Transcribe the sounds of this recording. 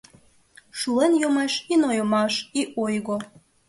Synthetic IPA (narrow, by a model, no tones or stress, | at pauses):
ʃulenjomeʃinojomɑʃiʔojɣo